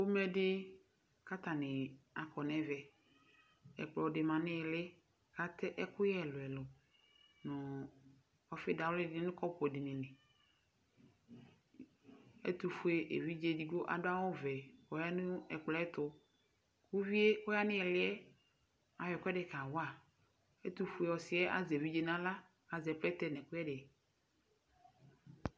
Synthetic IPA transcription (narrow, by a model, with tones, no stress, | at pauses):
o˦mɛ˦dɪ˦ | ka˦t̪a˨nɪ˨a˨kɔ˨nɛ˦vɛ˨ | ɛ̰˨k͡plɔ˨dɪ˨mã˨nɪ̃˦ɛ˨lɪ˦ | ka˨t̪ɪ˦ʔɛ˦kʊ˦jɛ˦˨lʊ˨ɛ˨lʊ˨ | nʊ˨ | ɔ˦fɪ˦da˨wlɪ˦dɪ˦ɪ˦nʊ̃˦kɔ˦pʊ˨ɛ˨dɪ˨nɪ̃˨nɪ̃˨ | ḛ˦t̪u˨fu˦e˨ʔḛ˨vi˦d͡ʒe˦di˨ɡo˦ʔa̰˨dʊ˦a˦wɔ˦vɛ˨wɔ˨ja˦nʊ̃˦ɛ˨k͡plɛ˦ɛ˦t̪ʊ˦ | ku˦vi˦e˦o˦ja˦nɪ̃˦ɛ˨lɪ˦ɛ˦ | a˨wɛ˨kɛ˦ɖe˨ka˨wa˨ | e˦t̪u˦fu˦e˨wɔ˨sɪ˦ɛ˦ʔa̰˨zɛ˨vi˦d͡ʒe˦nã˦la˦ | a˨zɛ˨plɛ˦t̪ɛ˦nɛ̃˨kʊ˦ɛ˦dɪ˨